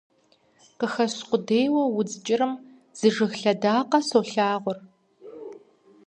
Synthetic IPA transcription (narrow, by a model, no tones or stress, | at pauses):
qəxɐɕqʷʊdeːjwɐwʊd͡zʼt͡ʃʼɪɾɨm | z̥ɨʐɨɣɬɐdaːqɐsoɬaːʁʷʊr